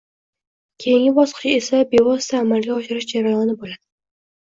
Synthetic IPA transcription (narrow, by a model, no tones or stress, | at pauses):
kʲʰe̞jɪŋʲɪbɒsqʰɨ̥t͡ʃʰɪe̞sabe̞vɒst̪ʰaːmalɡʲaɒʃɪɾɪʃd͡ʒaɾajɒnɪbolad̪̥ɪ